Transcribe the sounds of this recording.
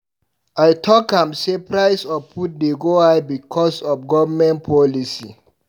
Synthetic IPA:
ajtʰɔkãmsepɹaɪsɔfpʰut̚deɡoabikʰɔsɔfɡɔvəmɛ̃nt̚pʰɔlisḭ

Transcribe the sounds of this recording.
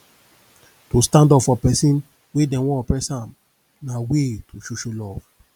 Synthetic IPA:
tostãndɔpfɔpɛsĩn | wedɛ̃wɔ̃ɔpɹɛsãm | nawetʰoʃuʃulɔv̥

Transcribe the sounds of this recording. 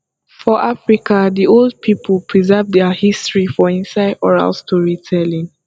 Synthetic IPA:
fɔʔafɹikadiolˠd̚pʰipʰəlˠpʰɹizɜvdɛahistɹifɔĩnsaɪdɔɹa̰lstʰuɹitʰɛlĩn

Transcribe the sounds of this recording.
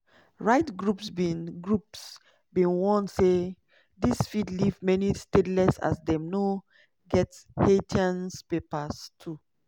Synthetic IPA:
ɹaɪtɡɹupsbĩnɡɹups | bĩnwɔ̃nse | disfidlivmɛnistedlɛsa̰sdɛ̃mno | ɡɛthetʰãnspepastʰu

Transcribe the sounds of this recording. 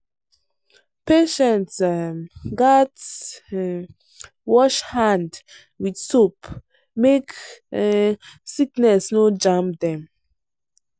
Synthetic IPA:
peʃɛ̃ntsmɡat | wɔʃhãnd | widsop | mek | siknɛsnod͡ʒãmp̚dɛ̃m

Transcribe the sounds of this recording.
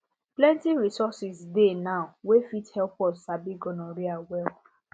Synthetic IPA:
plɛ̃ntiɹisɔsisdenaʊwefithɛlpɔsabiɡɔ̃nɔ̃ɾiawɛl

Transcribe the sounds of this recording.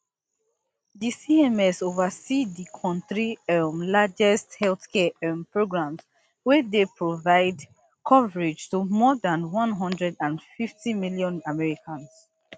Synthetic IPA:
disiɛmɛsovəsidikʰɔ̃ntɹiɛmlad͡ʒɛsthɛlθkɛɛmpɹoɡɹãms | wɛdepʰɹovaɪd | kʰɔvəɹɪd͡ʒtumɔdãnwɔ̃nɦɔ̃ndɹɛdãnfiftimiljɔ̃namɛɹikʰãns

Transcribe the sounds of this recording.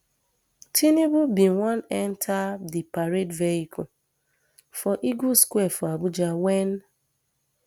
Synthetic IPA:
tʰinebubĩŋwãnɛntʰadipaɾedveikɔ | fɔʔiɡuskwɛfɔabʊd͡ʒawɛn

